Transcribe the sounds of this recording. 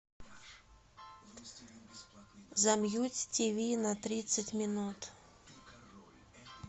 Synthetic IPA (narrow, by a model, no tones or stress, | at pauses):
zɐmjutʲtʲivʲinɐt̪ɾʲit̪sətʲmʲɪnut̪